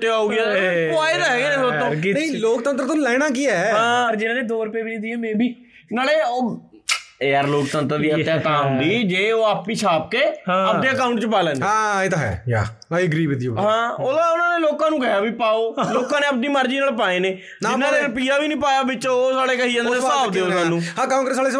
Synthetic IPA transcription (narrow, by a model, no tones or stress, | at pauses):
ət̪eauːɡɪjaːoːaːeːt̪aːɦɛːɡeːneːsʊɾt̪õːniloːk̚t̪ənt̪ɾt̪õːlɛːɽ̃ãːkiːɛɦãːəɾd͡ʒɪnãːd̪eːd̪oːɾəpjaːbiːnĩːd̪iɛːmɛ̃ːbʱiː | naːleːoː | eːəɾloːkt̪ənt̪ɾd̪iːət̪ːjaːt̪ãːɦʊ̃nd̪iːd͡ʒeːoːaːpniːt͡ʃʰaːp̚kẽːəpd̪eːəkaːʊɳʈt͡ʃəpaːlɛ̃ːnãːaĩt̪aːɦɛ̰ja̰ | aiɡəɾiːbd̪ijõɦãːoãːʊnãːneːloːkãːnũːɡəjaːbiːpaːoːloːkãːneːəp̚niːməɾd͡ʒiːnaːlpaːeːneː | d͡ʒɪnːãːneːɾəpiːaːbiːnĩːpaːjaːbɪt͡ʃosaːɽeːkəɦiːə̃nd̪əsaːʋd̪eːʊnãːnũːhãːkaːkɾəsaːleːs